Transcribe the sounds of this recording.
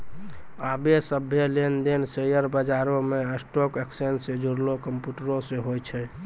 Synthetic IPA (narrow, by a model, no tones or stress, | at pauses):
abesəbʱjelend̪ensejəɾbəd͡ʒaɾomeesʈokeksensed͡ʒoɾlokəmpjuʈəɾosẽɦojt͡ʃʰɛ